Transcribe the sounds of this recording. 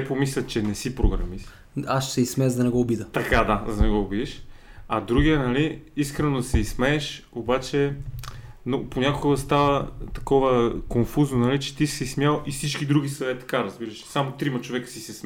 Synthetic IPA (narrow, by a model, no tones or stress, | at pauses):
ɛpomislʲət̪t͡ʃɛnɛsipɾoɡɾɐ̰mis | asʃsɛismɛzd̪ɐnɛɡɔobid̪ət̪ɐkad̪azɐnɛɡɔobid̪iʃ | ɐd̪ɾuɡʲiənɐliiskɾɛnod̪ɐsɛismɛːʃ | obat͡ʃɛ | noponʲakoɡəst̪avət̪ɐkɔvəkonfuznonɐlit͡ʃɛ̥t̪isɛsmjalˠifsit͡ʃk̟id̪ɾuɡʲisɐvɛt̪ːɐ̥kaɾɐzbiɾəʃɛ̥samot̪ɾimɐt͡ʃovɛkə̥sisɛsm